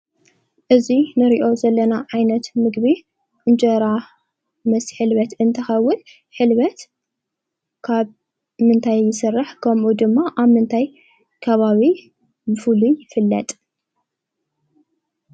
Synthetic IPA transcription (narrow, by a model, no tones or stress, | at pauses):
ʔɨzinɨɾiʔo̞zɐlːɐnaʕajnɐt̪mɨɡβi | ɨnd͡ʒʼɐɾa | mɐsħɨlβɐt̪ɨnt̪ʰɐxɐwːʊn | ħɨlβɐt̪ | kʰaβ | mɨnt̪ʰajːɪsɨrːɨħkʰɐmʔud̪ɨmːaʔaβmɨnt̪ʰaj | kʰɐβaβi | bɨfulujɪfɨlːɐ̰t̪ʼ